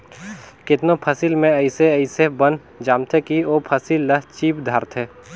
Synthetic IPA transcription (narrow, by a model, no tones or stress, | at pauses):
kɪt̪nopʰɐsilmẽɐɪseɐɪsebən | d͡ʒaːmt̪ʰekioːpʰəsilːɐɦt͡ʃiːpd̪ʱaːɾt̪ʰeː